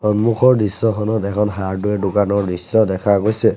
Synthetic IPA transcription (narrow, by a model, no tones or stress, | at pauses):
ɔnmukʰɔɹdisːɔxʰɔnɔtɛkʰɔnɦaɹduɛdukanɔɹdisːɔdɛkʰaɡojsɛ